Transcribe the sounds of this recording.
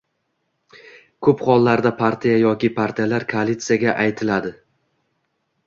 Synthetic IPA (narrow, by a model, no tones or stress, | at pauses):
kʰɵpχɒlˠːaɾd̪apʰaɾt̪ʰijajɒkʲɪpʰaɾt̪ʰijalaɾkʰoalʲit̪sɨjaɡʲaʔajt̪ʰɪlad̪ɪ